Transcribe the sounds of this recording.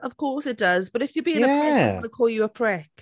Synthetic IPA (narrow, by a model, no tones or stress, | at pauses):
əv̥kʰɔˑsɪt̚d̥ʌzb̥ʌɾɪfjəbiɪ̃nəæɛakʰɔːlˠjəəpʰɹ̥ɛk